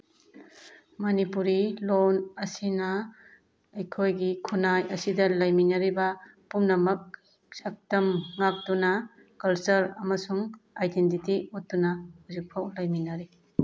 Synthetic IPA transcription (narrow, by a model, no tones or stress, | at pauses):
mɐnipuɾilonɐsinɐː | jkʰojɡikʰunajɐsidɐlɐjminɐɾibɐpumnɐmɐk̚ | sɐk̚tɐmŋak̚tunɐ | kɐlsɐɾɐmɐsuŋajdentitiutːunɐhuzik̚pʰawlɐjminaɾi